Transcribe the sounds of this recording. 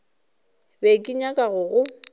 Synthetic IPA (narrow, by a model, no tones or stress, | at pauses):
bekʼɪɲakʼaɣʊɣʊ